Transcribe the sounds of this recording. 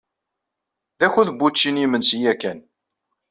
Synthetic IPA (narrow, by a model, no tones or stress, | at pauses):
ðæçuðəbːut͡ʃːinimənsijækːæn